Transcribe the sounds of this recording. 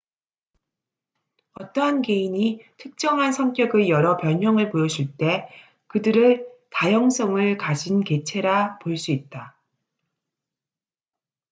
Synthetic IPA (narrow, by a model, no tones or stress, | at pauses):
ʌt͈ʌɦanke̞iɲitʰɯk̚t͡ɕ͈ʌŋɦansʰʌŋk͈jʌɡɯjʌɾʌpjʌɲɦʌŋɯɭpojʌd͡ʑuɭt͈e̞ | kɯdɯɾɯɭtajʌŋs͈ʌŋɯɭkad͡ʑinke̞t͡ɕʰe̞ɾapoɭs͈uit̚t͈a